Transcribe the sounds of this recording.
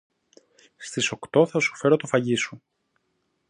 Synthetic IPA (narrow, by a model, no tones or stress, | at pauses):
st̪iso̞kt̪o̞θɐsu̥fe̞ɾo̞t̪ofɐʝisu